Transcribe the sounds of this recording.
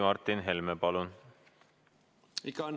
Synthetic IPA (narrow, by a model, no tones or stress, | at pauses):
mɑɾt̪inɦɛlmɛpɑlun | ikɑn